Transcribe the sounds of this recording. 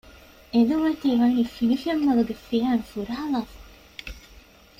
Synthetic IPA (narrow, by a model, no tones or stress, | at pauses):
ed̪uʋɐt̪iːʋaːniːfinifemːɐlɐɡefijaːnfuɾaɦɐlaːfɐ̥